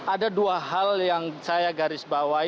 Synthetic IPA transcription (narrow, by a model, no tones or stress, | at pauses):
ʔadaduaɦaljaŋsajaɡaɾɪsbawa